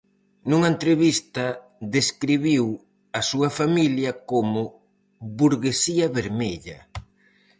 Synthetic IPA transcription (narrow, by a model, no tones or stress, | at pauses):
nuŋaent̪ɾeβist̪ɐ | ðeskɾiβiw | ɐsuɐfamiljɐkomʊ | βuɾɣesiɐβeɾmeʎɐ̰